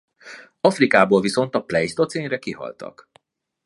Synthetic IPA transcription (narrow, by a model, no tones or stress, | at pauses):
ɒfrikaːboːlviso̞n̪t̪ɒplɛjst̪ot̪seːɲrɛkiɦɒ̰lt̪ʰɒ̰k